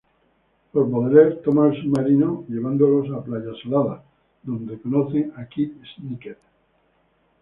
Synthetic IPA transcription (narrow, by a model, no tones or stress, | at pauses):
poɾpoðɾeɾt̪omaelsumaɾinoʎe̞β̞and̪olo̞saplaʝasolaða | ðõ̞nd̪ekonoθeŋakiesniket̪